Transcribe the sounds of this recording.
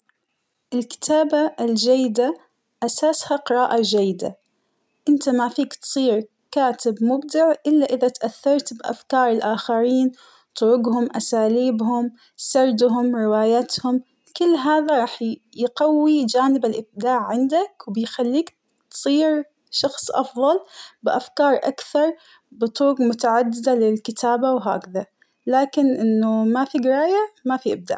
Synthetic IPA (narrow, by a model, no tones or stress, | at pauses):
ʔɪlkɪ̥t̪ʰaːbaɪld͡ʒajːɪd̪a | ʔasaːshaqɨɾˤɑːʔad͡ʒajːɪd̪a̰ | ʔɪnt̪amafiːkt̪sˤiːɾ | kaːt̪ɪbmʊbd̪ɪʕʔɪlːaʔɪðat̪ʔaθːɑɾˤt̪bʔa̰fkɑːɾˤɪlʔaːxaɾiːn | t̪ˤʊɾʊɡhʊmʔasaːliːbhʊm | sɑɾˤd̪ɦʊmɾɪwaːjat̪hʊm | kɪlːɦaːðaɾˤɑːħ | jɡawːid͡ʒaːnɪbalʔɪb̚d̪aːʕʕɪnd̪akwbɪjxalːiːk | t̪sˤiːɾ | ʃɑxsˤʔɑfðˤɑlbɪʔafkɑːɾˤʔa̰kθɑɾˤ | bɨt̪ˤʊɾʊɡmʊt̪aʕad̪ːɪd̪alɪlkɪt̪ʰaːbawɦa̰ːkða | laːkɪnʔɪnːʊmafiɡɪɾˤɑːjamafiʔɪb̚d̪a̰ːʕ